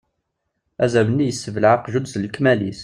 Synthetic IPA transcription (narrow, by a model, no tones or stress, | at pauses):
æzæwənːijəsːəvəlʕaqʒʊd̪zlkmælis